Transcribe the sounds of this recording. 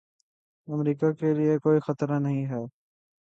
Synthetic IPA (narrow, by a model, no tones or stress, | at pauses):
ɐmɾiːkakeliekoːixɐt̪ɾanɐɦĩɦɛː